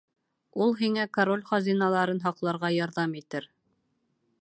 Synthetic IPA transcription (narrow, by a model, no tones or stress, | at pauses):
ulˠɦiŋækoɾolʲχɑzinɑlˠɑɾɤnɦɑqlˠɑɾʁɑjɑɾðɑmit̪ɘɾ